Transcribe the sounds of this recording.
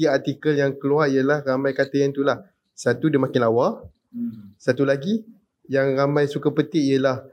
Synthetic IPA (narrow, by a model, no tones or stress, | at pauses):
iart̪ikəljaŋkəluaʔijəlahramãjkat̪əjant̪ulah | sat̪udəmãkɪnlawa | sat̪ulaɡi | jaŋramãjsukapət̪ɪʔijəlah